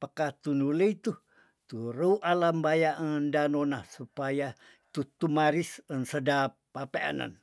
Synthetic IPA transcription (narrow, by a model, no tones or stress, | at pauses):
pəkaht̪unuləit̪u | t̪uɾəuʔalambajaʔəndanonahsupaja | t̪ut̪umaɾisənsədapːapea̰nə̰n